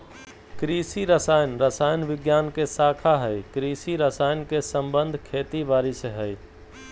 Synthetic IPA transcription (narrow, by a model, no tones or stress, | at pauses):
kɾiːsiɾəsaːjənɾəsaːjnʋɪɡjaːnkesaːkʰaɦəikɾiːsiɾəsaːjnkesə̃mbənd̪ʱkʰeːt̪ibaːɾisɦəi